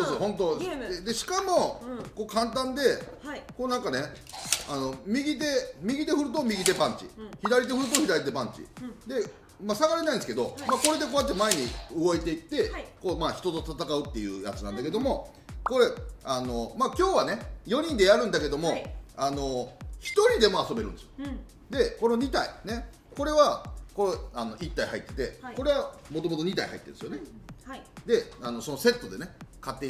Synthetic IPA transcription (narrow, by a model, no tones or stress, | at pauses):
sosoɦõ̞nt̪̬o̞d̪e̞ɕi̥kamo̞ko̞ːkãnt̪ãnd̪e̞koːnãŋkane̞ | ano̞mʲiɡʲit̪̬e̞mʲiɡʲit̪̬e̞ɸɯ̟ɾɯ̟t̪o̞mʲiɡʲit̪e̞pãɲ̟t͡ɕḭçid̪aɾʲit̪e̞ɸɯɾɯ̟t̪o̞çid̪aɾʲit̪̬e̞pãɲ̟t͡ɕḭd̪e̞ | masaɡaɾenaĩnesɨ̥ked̪o̞mako̞ɾe̞d̪ekoːjat̪ːemae̞ɲ̟iɯɡo̞it̪e̞it̪ːe̞ko̞ːmaːçi̥t̪o̞t̪o̞t̪at̪akaɯ̟t̪ːe̞jɯ̟̰ːja̰t͡sɨnã̰nd̪ake̞d̪o̞mo̞ | ko̞ɾeano̞maːkʲo̞ːβane̞jo̞ɲ̟ĩnd̪e̞jaɾɯ̟̃nd̪ake̞d̪o̞mo̞ano̞çi̥t̪o̞ɾʲid̪e̞mo̞aso̞be̞ɾɯ̟nd̪esɨo | d̪e̞ko̞no̞ɲ̟it̪aine̞ | ko̞ɾe̞βakoano̞ʔit̪ːaihait̪ːe̞t̪e̞̰ko̞ɾe̞βamo̞t̪o̞mo̞t̪oɲ̟it̪a̰iha̰ḭt̪ːe̞d̪sɨjo̞ne | d̪e̞ano̞so̞nose̞t̪ːo̞d̪e̞ne̞kat̪ːe̞